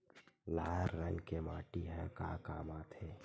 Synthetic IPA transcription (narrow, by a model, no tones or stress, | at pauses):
laːəɾːə̃ŋɡkemaːʈiɦɛ̰̃ka̰ːkaːmaːt̪ʰeː